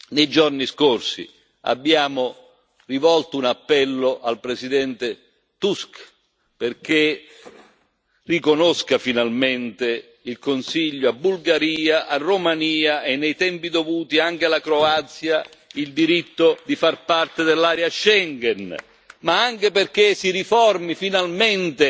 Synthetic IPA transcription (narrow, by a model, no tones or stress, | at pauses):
nejd͡ʒorniskorsḭ | a̰bːjaːmʊ | rivɔlt̪ounapːɛlːoʔalpɾesid̪ɛnt̪e | t̪usk | perk̟e | rikonoskafinalment̪e | ilkonsiʎːoabːulɡaɾiːaʔarːomaniːaʔenːejt̪ɛmpid̪ovuːt̪iaŋk̟ealakɾoat̪sjaild̪iɾit̪ːod̪ifarpart̪ed̪elːaːɾjaʃɛŋɡɛn | maaŋk̟eperk̟esiɾifɔrmifinalment̪e